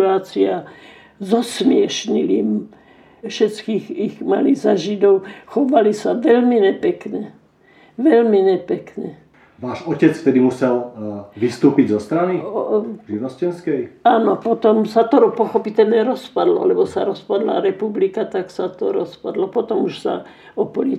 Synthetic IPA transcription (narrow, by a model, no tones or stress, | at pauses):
uaːt͡sia | zɔsmɪɛʃɲiliːm | fʃɛt͡skiːxiɣma̰lizaʒid̪ɔʊxɔʋalisaʋɛlmiɲɛpɛkɲɛ | ʋɛlmiɲɛpɛkɲɛ | ʋaːʒɔcɛt͡sft̪ɛd̪imusɛlʋist̪uːpiɟzɔst̪ɾaniʒiʋnɔscɛnskɛjaːnɔpɔt̪ɔmsat̪ɔɾɔpɔxɔpit̪ɛlɲɛɾɔspad̪lɔ̰alɛbɔsa̰ɾɔspad̪la̰ɾɛpublikat̪aksat̪ɔɾɔspa̰d̪lɔpɔt̪ɔmuʃsa̰ | ɔpɔli